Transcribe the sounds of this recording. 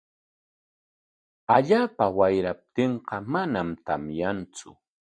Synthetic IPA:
aʎaːpawajɾap̚t̪eɴqɑmanamt̪a̰mjant͡sʊ̰

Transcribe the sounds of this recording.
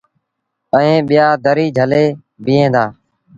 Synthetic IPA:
əẽːɓɪjaːd̪əɾiːd͡ʒʱəleː | biːẽːd̪aː

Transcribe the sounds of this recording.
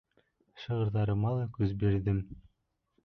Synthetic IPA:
ʃɤ̆ʁɤ̆ɾðɑɾɤmɑlˠɤkʉzbeɾd̪ɘm

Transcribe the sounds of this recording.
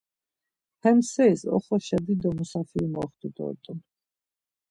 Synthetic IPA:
hɛmsɛisɔ̰χɔʃɛd̪id̪ɔmusafiumɔχt̪ud̪ɔ̰t̪ʼɔ

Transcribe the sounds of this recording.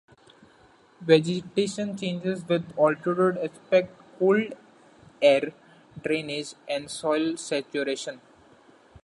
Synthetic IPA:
ʋɛd͡ʒɪʈeːʃə̃nt͡ʃẽːnd͡ʒɪzʋɪd̪ɔːlʈəɾoɖekspɛk̚ʈkoːlɖ | eːɾ | ɖɾẽːnɪd͡ʒɛ̃ɳɖsɔɪlsɛt͡ʃuɾeːʃə̃n

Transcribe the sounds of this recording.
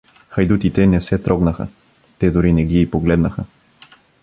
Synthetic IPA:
xɐjd̪ut̪it̪ɛnɛsɛt̪ɾɔɡnəxə̰ | t̪ɛd̪ʊɾinɛɡiipoɡlɛd̪nəxə

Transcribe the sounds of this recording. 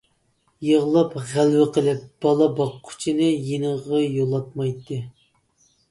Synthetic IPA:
jəʁlˠɑpʁælwɪqəlˠɪp̚b̥ɑlˠɑbɑqʰːʊ̥t͡ʃʰinɨjenəʁɑjolˠɑt̪̚mɑjt̪ʰːɨ

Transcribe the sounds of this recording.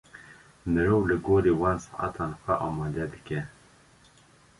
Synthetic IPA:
nɨɾoːwlɨɡoːɾeːwɑːnsɑ̰ʔa̰t̪ʰɑːnxʷɛʔɑːmɑːd̪ɛd̪ɨkʲɛ

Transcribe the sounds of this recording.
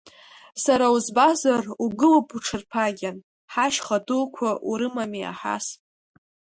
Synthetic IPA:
saɾauzbazaruɡɨlapʰʼuʈ͡ʂʰɨrpʰaɡʲan | ħaʃχadulkʷʰaʔuɾɨmamia̰ħa̰sʼ

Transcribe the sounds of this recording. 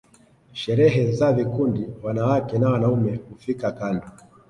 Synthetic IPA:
ʃɛɾɛɦɛzavikundiwanawakɛnawanaumɛhufikakandɔ

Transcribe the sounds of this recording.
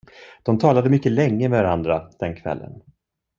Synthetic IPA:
d̪̥ɔmt̪ʰɑːlad̪əmʏkːəlɛŋːəmɛvaɾand̪ɾad̪̥ɛnkʰvɛ̰lːə̰n

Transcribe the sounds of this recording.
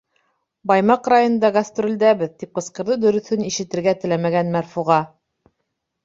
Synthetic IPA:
bɑjmɑqrɑjŏnɤ̆nd̪ɑɡast̪rʲold̪æβɘðt̪ip̚qɤ̆sqɤ̆ɾðɤd̪ɵ̆ɾɵ̆θɵniʃɘ̆t̪ɘ̆ɾɡæt̪ɘ̆læmæɡænmæɾfuʁɑ

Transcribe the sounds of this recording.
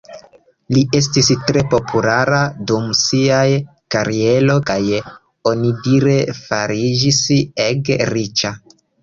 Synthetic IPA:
lie̞s̬tistɾe̞po̞pʰulaɾadumsiaj | kaɾie̞lo̞kaj | o̞nidiɾe̞faɾid͡ʒiseɡɾit͡ʃa

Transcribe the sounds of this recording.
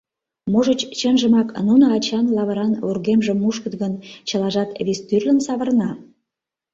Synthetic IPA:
moʒə̆t͡ɕt͡ɕənʒə̆mɑknunəɑt͡ɕɑnlɑβə̆ɾɑnurɣemʒə̆mːuʃkə̆t̪ɣənt͡ɕə̆lɑʒɑt̪βist̪yrlə̆nsɑβə̆rnɑ

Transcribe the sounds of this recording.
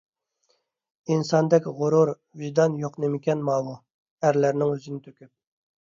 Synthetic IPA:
insɑnd̪ɛkʲʁʊɾuɾ | viʒd̪ɑnjoqnemɪkʲɛnmɑːmu | æɾlæɾnɪŋøzɪnɪt̪ʰøkʲyp̚

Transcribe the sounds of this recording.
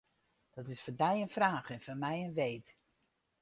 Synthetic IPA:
d̥ɑtɪsfɔndɛjənfraːχɛnfɔnmɛjənʋejt

